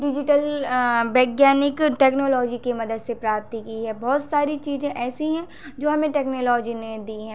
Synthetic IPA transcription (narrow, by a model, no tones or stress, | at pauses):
ɖɪd͡ʒɪʈəlbɛːɡjaːnɪkʈɛːknoːlɔːd͡ʒikemɐd̪əd̪sepɾaːp̚t̪ikiɦɛbɔːt̪saːɾit͡ʃiːzẽʔɛːsiɦɛ̃ | d͡ʒoːɦɐmẽʈɛːknoːlɔːd͡ʒined̪iɦɛ̃ː